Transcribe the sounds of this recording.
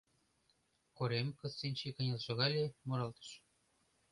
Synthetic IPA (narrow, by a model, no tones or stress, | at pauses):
koɾemkɤ̆t͡sːinʲt͡ɕikɤ̆nʲɤlʒɤ̆ɣɑlʲemoɾɑlt̪ə̥̆ʃ